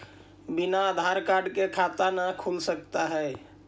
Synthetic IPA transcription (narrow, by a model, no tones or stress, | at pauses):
binaəd̪ʱaɾkaɾɖkekʰat̪anakʰulsəkt̪aɦɛe